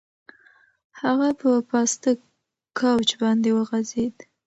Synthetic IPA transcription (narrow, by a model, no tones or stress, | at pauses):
haɣapəpɑst̪ə | kawt͡ʃbɑnd̪ewəɣazed̪